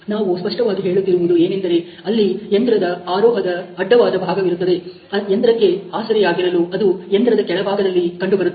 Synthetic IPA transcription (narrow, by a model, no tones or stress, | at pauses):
naːʋuspɐʂʈɐʋaːɡiɦe̞ːɭut̪ːiɾuʋud̪ue̞ːnend̪ɐɾe̞ | ɐlːiend̪ɾɐd̪ɐaːɾɔːɦɐd̪ɐːɖːɐʋaːd̪ɐbʱaːɡɐʋiɾut̪ːɐd̪e̞ | ɐend̪ɾɐkːe̞aːsɐɾɛjaːɡiɾɐluɐd̪uend̪ɾɐd̪ɐkɛɭɐbʱaːɡɐd̪ɐlːikɐɳɖubɐɾu